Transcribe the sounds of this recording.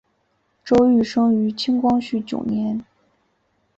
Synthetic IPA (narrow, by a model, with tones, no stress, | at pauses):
ʈ͡ʂo˥ʊy˥˩ʂɤ˥ŋy˧˥t͡ɕʰi˥ŋkwɑ˥ŋɕy˥˩t͡ɕjo̰˨˩ʊnjɛ˧˥n